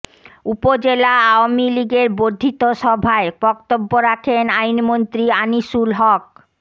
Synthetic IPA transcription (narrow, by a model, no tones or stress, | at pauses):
upod͡ʑelaaoamiliɡeɾbod̪ʱːit̪oʃɔbʱaebɔkt̪obːoɾakʰenajnmont̪ɾianiʃulɦɔk̚